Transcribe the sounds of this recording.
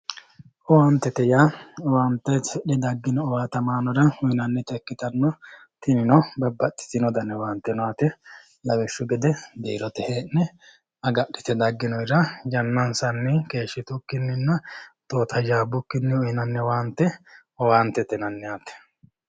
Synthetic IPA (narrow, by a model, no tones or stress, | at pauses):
ʔɔwaːnt̪ːɛt̪ɛjawaːnt̪ːɛɛɗɛd̪ɐɡːɪnɔːwaːt̪ɐmaːnɔɾɐhʊjɪnɐnːɛt̪ɛkːɪt̪ɐnːɔ | t̪ɪnɪnɔbɐbːɐt̪ːɪ̥t̪ɪnɔd̪ɐnːɛwaːnt̪ːɛnɔaːt̪ɛ | lɐwɛʃːʊɡɛd̪ɛd̪eːɾɔt̪ɛheːnːɛ | ɐɡɐɗːɪt̪ɛd̪ɐɡːɪnɔjɾɐd͡ʒɐnːɐnsɐnːɛke̞ːʃːɪt̪ʊkːɪnːɪnːɐt̪oːt̪ʰɐd͡ʒaːbʊkːɪnːɪʊjɪnɐnːɛwaːnt̪ːɛ | ɔwaːnt̪ːɛt̪ɛnɐnːɛaːt̪ːɛ̥